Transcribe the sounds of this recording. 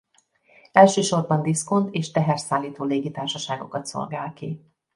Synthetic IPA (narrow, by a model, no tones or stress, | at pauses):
ɛlʃøːʃo̞rbɒnd̪iskont̪eːʃt̪ɛɦɛrsaːlːiːt̪oːleːɡit̪aːrʃɒʃaːɡo̞̰kɒt̪so̰lɡaːlki